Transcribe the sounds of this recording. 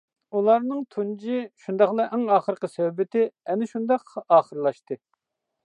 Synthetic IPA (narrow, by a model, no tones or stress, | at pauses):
ulˠɑɾnɨŋt̪ʰund͡ʒiʃund̪ɑχlˠɑʔɛŋɑːχəɾqəsøwbɪt̪ɪɛnɪʃund̪ɑqɑːχəɾlˠɑʃt̪ɨ